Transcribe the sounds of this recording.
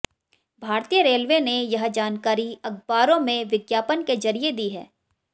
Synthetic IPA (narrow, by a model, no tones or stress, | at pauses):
bʱaːɾt̪ijəɾeːlʋenejɐɦd͡ʒaːnkaːɾiɐɡ̚baːɾõmẽʋɪɡjaːpənkezɐɾied̪iɦɛ̰ː